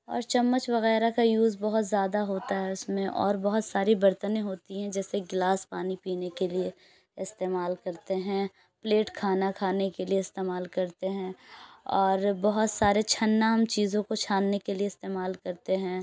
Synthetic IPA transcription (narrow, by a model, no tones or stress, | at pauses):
ɔ̰ːɾt͡ʃɐmːət͡ʃʋɐɣɛːɾakajuːzbɐɦʊt̪zjaːd̪aɦoːt̪aɦɛʊsmẽʔɔ̰ːɾbɐɦʊt̪saːɾibɐɾt̪ənẽɦoːt̪iɦɛ̃d͡ʒɛːseɡlaːspaːnipiːnekelie | ɪst̪eːmaːlkɐɾt̪eɦɛ̃ | pleːʈkʰaːnakʰaːnekelieɪst̪eːmaːlkɐɾt̪eɦɛ̃ːɔːɾbɐɦʊt̪saːɾet͡ʃʰɐnːaɐmt͡ʃiːzõkot͡ʃʰaːnːekelieɪst̪eːmaːlkɐɾt̪eɦɛ̃ː